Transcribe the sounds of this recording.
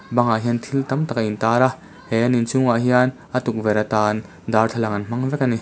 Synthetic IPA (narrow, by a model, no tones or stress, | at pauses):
bɐŋaɦiɐnt̪ʰilt̪ɐmt̪akaʔint̪aːɾa | hɛanint͡suŋaʔɦianʔat̪uk̚vɛɾat̪aːn | d̪art̪ʰalaŋɐnm̥ɐŋvɛkani